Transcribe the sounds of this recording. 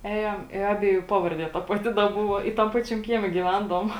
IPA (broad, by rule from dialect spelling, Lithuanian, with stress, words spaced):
ˈæːjɛm ɪ ˈɑːbʲiɛˌjuː ˈpɑːʋɐrʲˌdʲiɛ ˈtɐ pɐˈtʲɪ dɐ ˈbʊʋoː ɪ tɐm ˈpɑːt͡ʃʲɛm ˈkʲiɛmʲɛ ɡʲiːˈʋʲɛndɐʋoːm